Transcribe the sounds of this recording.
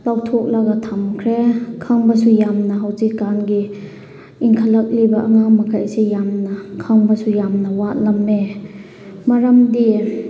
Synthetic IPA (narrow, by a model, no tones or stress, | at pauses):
lawtʰɔk̚laɡatʰamkʰɾekʰaŋbɐsujamnaɦawtikːanɡi | iŋkʰalɐk̚libɐʔaŋamɐkʰajsejamnɐkʰaŋbɐsujamnɐwat̚lamːe | maɾamdi